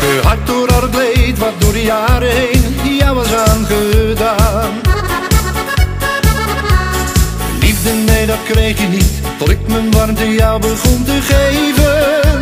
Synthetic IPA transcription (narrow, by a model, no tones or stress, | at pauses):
əɦɑt̚doːɾɑlətlejtʋɑt̚dʊːɹdəjaːɾəɦejndijawəsaːnχədaːn | livdənːejdɑt̚krejχjənit | tlɪkmənʋarmtəjawbəχɔntəχejvə